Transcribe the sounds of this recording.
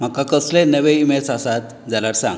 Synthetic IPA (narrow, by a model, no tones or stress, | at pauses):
m̤akakəslenəʋeimesasat̪ | d͡zalaɾsãŋɡ